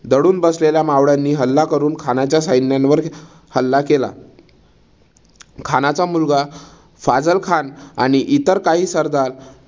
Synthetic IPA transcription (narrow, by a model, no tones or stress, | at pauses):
d̪əɽuːnbəsleljamaʋɽanːiːɦəlːakəɾuːnkʰanat͡ɕjasajnjanʋəɾ | həlːakela̰ | kʰanat͡samulɡa | fad͡zəlkʰana̰ɽ̃iʔit̪əɾkaɦiːsəɾd̪al